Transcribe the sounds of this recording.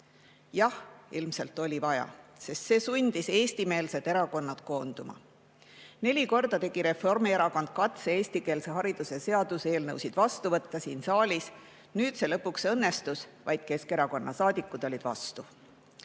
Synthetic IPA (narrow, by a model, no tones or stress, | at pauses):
jɑhilmse̞lt̪ːˑo̞lʲivɑjɑ̰se̞st̪se̞ːsunʲd̪̥ise̞ːst̪ime̞ːlse̞d̪̥e̞ɾɑko̞nːɑd̪̥ko̞ːnd̪̥umɑ̰ | ne̞lʲiko̞rd̪ɑt̪e̞ɡ̥iɾe̞fo̞rmieɾɑko̞nd̪̥̚kɑt̪see̞ːst̪ike̞ːlse̞ɦɑɾid̪̥use̞se̞ɑd̪use̞ːlnɤwsid̪̥vɑst̪uvɤt̪ːɑsiːnsɑːlʲis | nyːd̪se̞lɤpːuksɤnːe̞st̪usvɑjd̪̥̚ke̞ske̞ɾɑko̞nːʔɑsɑːd̪̥ʲikːˑud̪̥o̞lʲid̪̥vɑ̰st̪u